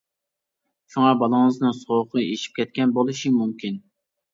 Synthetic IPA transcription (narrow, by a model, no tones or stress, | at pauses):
ʃuŋɑbɑlˠəŋɨznɨŋsoq̪ʰɨeʃi̥p̚kʲʰɛt̪̚kʲɛnbolˠuʃimumkʲin